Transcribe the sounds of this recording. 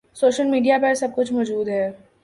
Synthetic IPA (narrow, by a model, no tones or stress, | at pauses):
soːʃəlmiːɖijapɐɾsɐb̚kʊt͡ʃʰmɔːd͡ʒuːd̪ɦɛː